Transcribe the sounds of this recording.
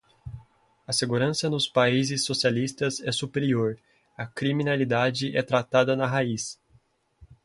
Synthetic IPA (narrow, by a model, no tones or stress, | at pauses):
ɐseɡuɾɐ̃sɐnʊspaizɪsːosialist̪ɐzɛsupeɾioɾ | ɐkɾimĩnalid̪ad͡ʒɪʔɛt̪ɾat̪ad̪ɐnɐɦais